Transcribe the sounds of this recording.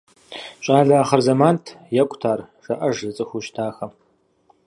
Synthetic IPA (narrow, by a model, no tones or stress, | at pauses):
ɕʼaːɮaːχɐrzɐmaːntʰjɛkʷʼtʰaːr | ʒ̥ɐʔɐʒzɨt͡sʼɨxʷʊʃtʰaːxɐm